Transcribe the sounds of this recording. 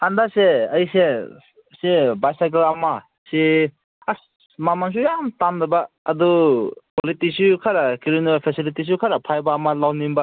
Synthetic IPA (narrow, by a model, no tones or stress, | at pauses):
andaseɐjse | sebajsajk̬elama | se | a | mamans̬ujamtamdabaː | dupolitisukʰaɾakiɾinupʰesilitis̬ukʰaɾapʰajbaːmalawnimba